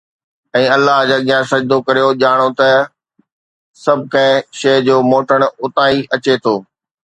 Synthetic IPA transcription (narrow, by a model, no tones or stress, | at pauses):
ɛ̃ːɐlːaɦd͡ʑaːɠijãsɐd͡ʑd̪okɐɾijoʄaːɽ̃ot̪ɐ | sɐbʱʊkɐ̃ɦɪ̃ʃɐːd͡ʑoːmoːʈəɽ̃ʊt̪aːiʔɐt͡ɕet̪ʰoː